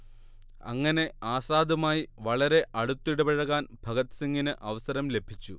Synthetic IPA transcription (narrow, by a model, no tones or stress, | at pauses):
ɐ̰ŋːɐne̞aːsaːd̪ɐmaːjiʋɐɭɐɾe̞ʔɐɽut̪ːiɽɐbɐɻɐɣaːnbʱɐɣɐt̪siŋːinɨʔɐʋɐsɐɾɐmle̞bʱit͡ɕːu